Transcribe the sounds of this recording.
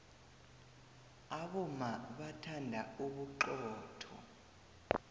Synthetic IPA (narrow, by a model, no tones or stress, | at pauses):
aɓɔmaɓatʰandʱauɓuǃɔːtʰɔ̰